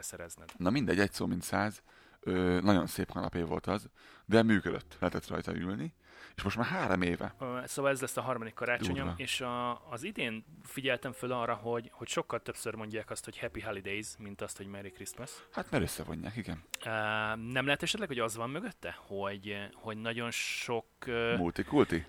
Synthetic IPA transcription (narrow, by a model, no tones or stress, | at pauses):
ɛsɛɾɛ̰znɛ̰d̪nɒmind̪ɛɟɛcsoːmint̪saːz | øːnɒɟo̞̰nseːphɒnɒ̰peːvo̞̰lt̪ɒzd̪ɛmyːkød̪øt̪ːlɛɦɛt̪ɛt̪rɒ̰jt̪ɒ̰ylni | eːʃmo̞ʃt̪maːɾɦaːɾomeːvɛ̰øsoːvɒlɛzlɛsːɒɦɒrmɒd̪ikːɒɾaːt͡ʃoɲoeːʃɒːzid̪eːnfiɟɛlt̪ɛɱfølɒrːɒɦo̞ɟho̞cʃo̞kːɒlt̪øpsørmo̞ɲɟaːkɒst̪ho̞chɛpiɦɛlid̪ejzmint̪ɒst̪ho̞ɟmɛɾikrist̪mɛshat̪maːɾøsːɛ̰vo̞̰ɲːa̰ːkiɡɛnøːnɛmlɛɦɛt̪ɛʃɛt̪lɛkhoɒzʋɒmːøɡøt̪ːɛho̞ɟho̞ɟnɒɟo̞nʃo̞kømult̪ikult̪i